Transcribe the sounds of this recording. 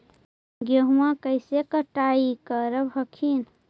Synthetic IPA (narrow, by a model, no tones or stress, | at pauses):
ɡoɦmakəjsekəʈaikəɾəbʱəkʰin